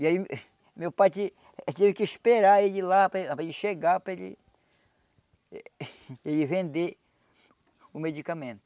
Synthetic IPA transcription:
iai | mewpajt͡ʃɪ | t̪evɪkɪspeɾaeʎɪlapɾɐepɾad͡ʒɪʃeɡapɾɐelɪ̰ | elɪvẽnd̪e | ʊmed͡ʒikamẽnt̪ʊ

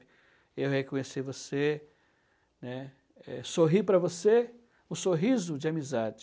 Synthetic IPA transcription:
ewhekõɲesivose | nɛ | ɛsoɦipɾɐvose | ũsoɦizʊd͡ʒɪamizad͡ʒɪ

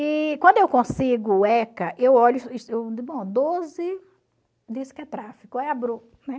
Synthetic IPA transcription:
ɪkwɐ̃d̪ʊewkõsiɡʊɛkɐʔewɔʎʊisewd̪bõd̪ozɪ | d̪isɪ̥kɪɛt̪ɾafikʊɛabɾo | nɛ

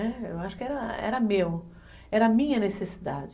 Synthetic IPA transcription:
ɛḛwaʃʊ̥kɪɛɾɐɛ̰ɾɐmew | ɛɾɐmĩɲɐnesesid̪a̰d͡ʒ

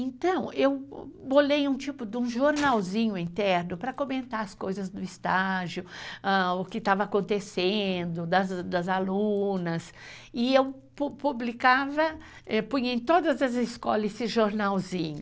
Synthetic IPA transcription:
ẽnt̪ɐ̃w̃ewbolejũt͡ʃipʊd̪ɪũʒoɾnawzĩɲʊĩnt̪ɛɾnʊpɾɐkomẽnt̪aɾɐskojzɐzd̪ʊɪst̪aʒjʊaʊkɪt̪avɐakõnt̪esẽnd̪ʊd̪ɐzd̪ɐzalũnɐsɪew | pupublikavɐ | ɛpũɲẽj̃t̪od̪ɐzɐzɪskɔlɐesɪʒoɾnawzĩɲʊ

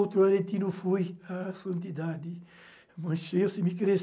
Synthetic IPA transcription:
wt̪ɾʊaɾẽt̪inʊfujasɐ̃nt̪id̪ad̪ɪ | mɐ̃ʃewsɪmɪkɾes

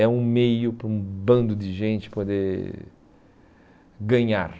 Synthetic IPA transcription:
ɛũmejʊpɾũbɐ̃nd̪ʊd̪ɪʒẽnt͡ʃɪ̥pod̪e | ɡɐ̃ɲaɾ

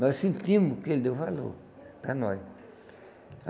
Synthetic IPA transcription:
nɔsĩnt̪ĩmʊkeld̪efalo̰ | pɾa̰nɔj

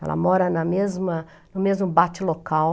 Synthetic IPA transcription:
ɛ̰lɐ̰mɔɾɐnɐmezmɐ | nʊmezmʊbat͡ʃɪlokaw

